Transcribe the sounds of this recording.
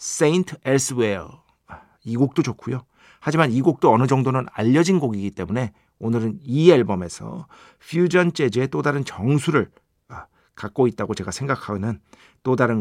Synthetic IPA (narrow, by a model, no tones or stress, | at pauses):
s͈eintʰes͈ɯweɭ | iɡok̚t͈od͡ʑokʰujo | had͡ʑimaniɡok̚t͈oʌnɯd͡ʑʌŋdonɯna̰ʎːʌd͡ʑinɡoɡiɡit͈e̞mune̞ | onɯɾɯniaɭbʌme̞sʰʌ̰ | ɸʰjud͡ʑʌnt͡ɕ͈e̞d͡ʑeet͈odaɾɯnt͡ɕʌŋsʰuɾɯɭ | kak̚k͈oit̚t͈aɡot͡ɕe̞ɡasʰe̞ŋɡakʰanɯn | t͈odaɾɯn